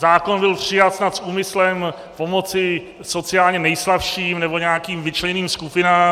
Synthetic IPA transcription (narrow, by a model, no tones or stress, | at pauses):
zaːkonbɪlpr̝̥ɪjat̪snat̪sʔuːmɪslɛm | po̞mo̞t͡sɪ | so̞t͡sɪjaːlɲɛnɛjslafʃiːmnɛbo̞ɲɛakiːmvɪt͡ʃlɛɲɛniːmskupɪnaːm